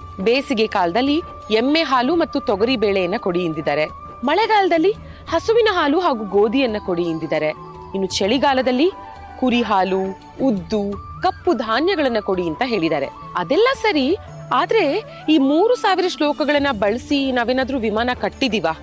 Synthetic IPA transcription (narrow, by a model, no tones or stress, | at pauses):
beːsiɡekaːlɐd̪ɐlːi | emːeɦaːlumɐt̪ːut̪ɔɡɐɾibeːɭɛjɐnːɐkoɽijind̪id̪aːɾe̞ | mɐɭɛɡaːlɐd̪ɐlːi | hɐsuʋinɐɦaːluɦaːɡuɡoːd̪ijɐnːɐko̞ɽijind̪id̪aːɾe̞ | inːut͡ʃeɭiɡaːlɐd̪ɐlːi | kuɾiɦaːluː | d̪ːukɐpːud̪ʱaːnjɐɡɐɭɐnːɐko̞ɽiɐnt̪ɐɦe̞ːɭid̪aːɾe̞̰ | ɐd̪ɛlːɐsɐɾi | aːd̪ɐɾe̞ | iːmuːɾusaːʋiɾɐʃlɔːkɐɡɐɭɐnːɐbɐɭisinaːʋeːnaːd̪ɐɾuʋimaːnɐkɐʈːid̪iʋaː